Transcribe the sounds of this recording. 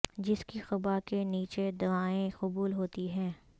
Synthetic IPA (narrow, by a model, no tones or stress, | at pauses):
d͡ʒɪskixɐbakeniːt͡ʃed̪ɐʋaːẽqʊbuːlɦoːt̪iɦɛ̃ː